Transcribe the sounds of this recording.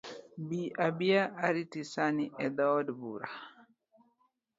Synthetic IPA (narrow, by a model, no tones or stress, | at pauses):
biʔabiaʔaɾitisaniʔɛd̪aɔdbuɾa